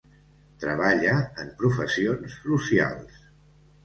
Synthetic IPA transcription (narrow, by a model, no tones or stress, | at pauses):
t̪ɾəβaʎəəmpɾufəsionssusia̰lˠs